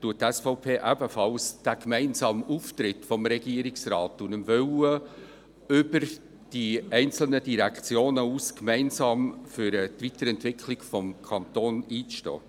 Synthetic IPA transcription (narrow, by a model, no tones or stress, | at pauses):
tuət̚ːɛsfɔʊpʰeːʔæbəfɑlsd̥æːkmɛɪnsɑːmuːft̪ɾɪtfɔmɾɛɡiəɾɪksɾɑːtːunəmvœwə | ʏbəɾ | d̥iɛɪnt͡sl̩nədiɾækt͡sjoːnəuːskmɛɪnzɑːmfyɾət̪vitəɾɛntvɪkʰlɪɡfɔmkʰɑnt̪oːniːʃtɔ̰ː